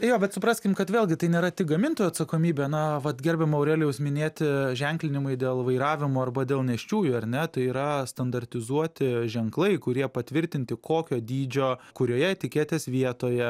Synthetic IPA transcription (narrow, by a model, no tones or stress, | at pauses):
joːbʲɛt̪sʊpɾɑːsʲkʲɪmkɐt̪ʋʲeːlʲˠɡʲɪt̪ɐɪnʲeːɾɐt̪ʲɪk̚ɡɐmʲɪnt̪oːjuɐt̪sɐkoːmʲiːbʲeːnɐʋɐt̪ɡʲɛɾʲbʲɛmɐʊɾʲɛːlʲjɛʊsmʲɪnʲeːt̪ʲʒʲɛŋklʲɪnʲɪmʊɪd̪ʲeːlˠʋɐɪɾɑːʋʲɪmoːɐrbɐd̪ʲeːlˠnʲɛʃʲt͡ʃʲuːjʊːɐɾʲnʲɛt̪ɐɪiːɾɐst̪ɐnd̪ɐɾʲt̪ʲɪzuɔt̪ʲɪʒʲɛŋklˠɐɪkʊɾʲiɛpɐt̪ʲʋʲɪɾʲt̪ʲɪnʲt̪ʲɪkʰoːkʲoːd̪ʲiːd͡ʒʲoːkʊɾʲoːjɛt̪ʲɪkʲeːt̪ʲeːsʋʲiɛt̪oːjɛ